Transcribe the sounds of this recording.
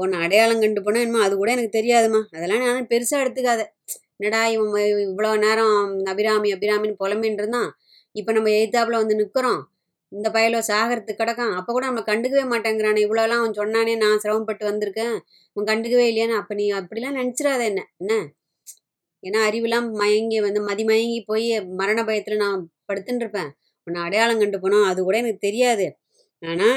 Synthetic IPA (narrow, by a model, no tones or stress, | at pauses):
onːãɐɽɐjaːlɐ̃ŋkɐɳɖɯp̬ːoːnːõɛnːɐmaːɐðɯkuːɽɐɛnɐkːɯt̪ɛɾɪjaːðɯmaːɐðɛlːãːnaːnaːpɛɾɯsaːɛɽɯt̪ːɯkːaːðɛ | nɐɽaːjɐmːɐɪʋːɐɭoːneːɾɐ̃nɐbɪɾaːmiɐbɪɾaːmɪnɯpɔlɐmenɾɯnd̪ãː | ɪpːoːnɐmːɐɛjt̪ːaːʋɐɭõʋɐnd̪ɯnɪkːɯɾõː | ɪnd̪ɐpɐjɐloːsaːɣɐɾɐt̪ːɯkːɪɽɐkːãːɐpːoːkuːɽɐnɐmːɐɭɐkɐɳɖɯk̬ːɐʋeːmaːʈːẽːŋɡɪɾaːnɐɪʋːɐɭoːlːãːɐnsɔnːaːneːnãːsɪɾɐʋɐmpɐʈːɯʋɐnd̪ɪɾɯkːẽː | ʋɐ̃kɐɳɖɯk̬ːɐʋeːɪlːɐjaːnːaɐpːɐnĩːɪpːɐɽɪlːãːnɐnɪt͡ʃːɪɾaːðɐɛnːɛɛnːɐ | eːnːaːɐɾɪʋɯlãːmɐjɐŋɡeʋɐnd̪ɯmɐðimɐjɐŋɡipoːjimɐɾɐnɐpɐjɐt̪ːɪlɐnãːpɐɽɯt̪ːɯnɾɯpːẽː | ɔnːɐɐɽɐjaːlɐ̃ŋkɐɳɖɯp̬oːnõːɐðɯkuːɽɐjeɛnɐkːɯt̪ɛɾɪjaːðɯ | aːnaː